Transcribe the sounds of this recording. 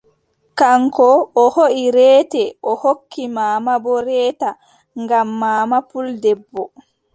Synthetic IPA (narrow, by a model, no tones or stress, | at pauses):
kaŋkɔʔːhoʔiɾɛːtɛʔɔhokʰːimaːmabɔɾɛːta | ŋɡamːaːmapuldɛbːɔ